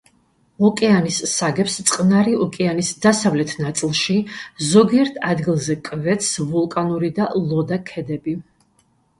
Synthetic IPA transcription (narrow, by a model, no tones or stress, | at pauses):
ɔkʼɛanissaɡɛpst̪sʼqʼnaɾiɔkʼɛanisd̪asavlɛt̪ʰnat̪sʼilˠʃizɔɡiɛɾt̪ʰad̪ɡilˠzɛkʼvɛt̪svulˠkʼanuɾid̪alˠɔd̪akʰɛd̪ɛbi